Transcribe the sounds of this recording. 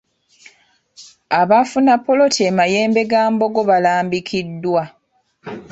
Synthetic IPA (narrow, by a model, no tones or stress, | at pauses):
aβafunapːolo̞tʰiemaje̞ːmbe̞ɡaːmbo̞ɡo̞βalaːmbikʰidːwa